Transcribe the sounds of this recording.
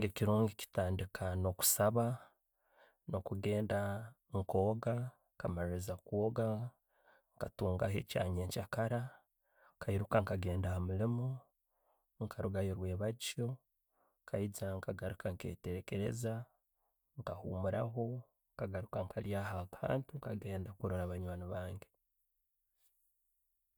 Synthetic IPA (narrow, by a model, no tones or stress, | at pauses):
ɡeciɾuːŋɡici̥taːndikʰano̞ku̥saβa | no̞kuɡe̞ːnda | ŋko̞ːɡa | kamaɾizakwoːɡa | ŋkatuːŋɡa̰he̞̰ca̰ːɲeːɲcakaɾa | kaiɾukaŋkaɡe̞ːndahamulimo | ŋkʰaɾuɡajoɾwe̞ːβat͡ʃo | ŋkʰaizaŋkaɡaɾukaŋke̞̰ːteɾeke̞ɾe̞̰za | ŋkahuːmuɾaɦo̞ | ŋkaɡaɾukaŋkʰaljahakʰa̰ːntuŋkaɡe̞ːndakuɾoɾaβaɲwaːnoβaːŋɡe